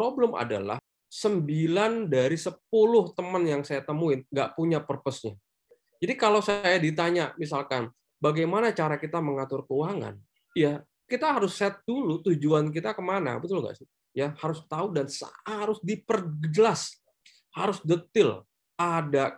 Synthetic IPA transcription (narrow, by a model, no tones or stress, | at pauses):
pɾobləma̰da̰la̰h | səmbilandaɾisəp̚ulʊht̪əmənjaŋsajat̪əmuɪnŋɡaʔpuɲapərpəsɲa | d͡ʒadikalowsaajadit̪̬aɲamis̬alkan | baɡajmanat͡ʃaɾakit̪aməŋat̪ʊrkəuaŋa̰n | ja | kit̪aɦaɾʊsɛt̪̚dulut̪ud͡ʒuank̬it̪akəmana̰bət̪uluŋɡa̰ʔsɪ | jahaɾʊst̪audansa̰aɾʊsdipərɡədəlas | haɾʊsdət̪ɪl | ʔada